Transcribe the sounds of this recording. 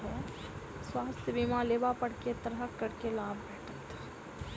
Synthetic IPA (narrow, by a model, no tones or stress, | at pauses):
ɦɛ | swaːst̪ʰjəbimãleːbapəɽket̪ɐɾəkɐɾkelaːbʱbɛːʈʰət̪ː